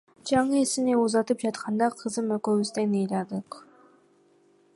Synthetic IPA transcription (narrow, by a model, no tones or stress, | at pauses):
d͡ʒɑɴɯesineuzɑt̪ɯp̚d͡ʒɑt̪qʰɑnd̪ɑqʰɯzɯmøkøβyst̪enɯjlʲɑd̪ɯq